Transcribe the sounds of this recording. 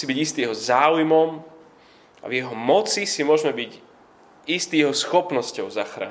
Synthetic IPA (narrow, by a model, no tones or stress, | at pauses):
siːbiɟist̪ijɛɦɔzaːujmɔm | a̰vjɛɦɔmɔt͡sisimʊɔʒmɛbic | ist̪iːjɛɦɔsxɔpnɔscɔʊzaxɾa̰ː